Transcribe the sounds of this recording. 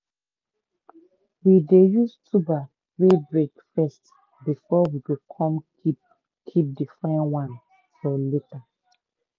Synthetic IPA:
widejustʰuba | ɹebɹekfɛst | bifɔwiwikʰɔ̃m | i | kʰip̚difɹãɪ̃nwãn | fɔleta

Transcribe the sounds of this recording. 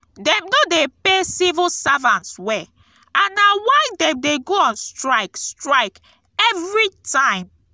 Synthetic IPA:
dɛ̃mnodepesivilsavãnswɛ | ãnːawaɪdɛ̃mdeɡoãnstɹaɪkstɹaɪk | ɛvɹitʰãɪ̃m

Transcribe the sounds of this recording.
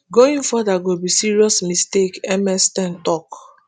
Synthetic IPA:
ɡoĩnfɔdaɡobisiɹiɔsmistekɛmɛstɛ̃ntɔk

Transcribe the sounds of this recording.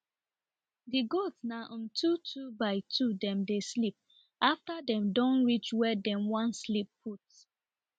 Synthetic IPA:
diɡotsnaʔɔ̃ntʰutʰubaɪtʰudɛ̃mdeslip̚ | ʔaftadɛ̃mdɔ̃nɹit͡ʃwɛdɛ̃mwãnslipːʰut

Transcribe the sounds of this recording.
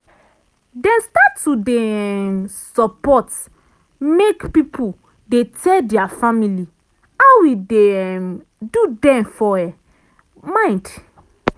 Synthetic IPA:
dɛ̃nstatːudɛ | sɔpɔt | mekpipʰu | detʰɛldiafamili | awide | dudɛ̃mfɔɛ | mãj̃nd

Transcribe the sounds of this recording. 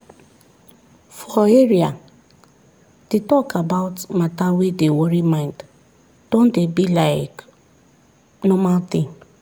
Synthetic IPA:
fɔeɾia | d̥etɔkabaʊtmatawedewoɾimãɪ̃nd | d̥õn̩debilaɪk | nɔmalt̪ɪ̃ŋ

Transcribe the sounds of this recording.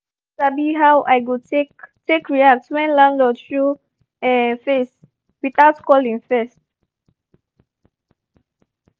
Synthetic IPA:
sabiɦawʔajɡotektekɹiak̚twɛ̃nlãndɔθɹu | ɛ̃nfes | wiθaʊtkɔlĩŋfɛst̚

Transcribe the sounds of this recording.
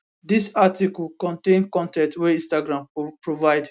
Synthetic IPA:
disatikɔlkɔ̃ntẽnkɔ̃ntɛ̃ntwɛĩnstaɡɹãmpɹovaɪd

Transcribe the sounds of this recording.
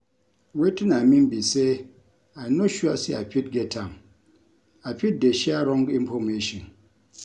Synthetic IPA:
wetɨnamim̩bise | anoʃwasiapʲit̚ɡetʰam | apʲit̚deʃiaɾɔ̃ŋɡimpomeʃin

